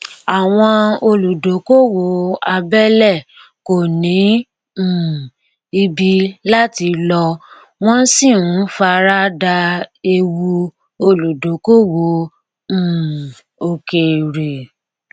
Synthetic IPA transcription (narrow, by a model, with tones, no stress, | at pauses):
a˨w̃ɔ̃˧o˧lu˨do˨˦ko˦wo˨˦a˧bɛ˦lɛ˦˨ | ko˨nĩ˨˦˨ | i˧bi˧la˦ti˧lɔ˧ | w̃ɔ̃˦si˦˨ũ˨˦fa˧ɾa˦da˧e˧wu˧ | o˧lu˨do˨˦ko˦wõ˨˦˨ | o˧ke˨ɾe˨